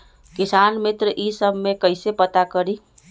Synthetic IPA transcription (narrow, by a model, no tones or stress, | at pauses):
kisanmɪt̪ɾəʔisəbʱmekəɪsepət̪akəɾi